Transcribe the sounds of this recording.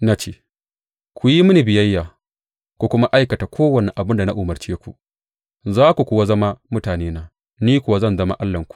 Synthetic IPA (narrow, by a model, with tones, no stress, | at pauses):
na˦t͡ʃeː˦ | kʷu˨ji˦mʊ˦ni˨bɪ˨jɐ˦jːaː˨ | kʷu˨kʷʊ˦ma˦ʔa˦jkɐ˨ta˨kʷoː˦wɐ˨ni˨ʔa˨bɪ˦nda˨na˦ʔʊ˨mɐ˨rt͡ʃeː˦kʷṵ˨ʔ | zaː˦kʷu˨kʷʊ˨wa˦zɐ˦ma˦mʊ˦taː˨neː˦naː˨˦ | niː˦kʷʊ˨wa˦zɐ˦nzɐ˦ma̰˦ʔa˦lːɐ˨ŋkʷu̥˨ʔ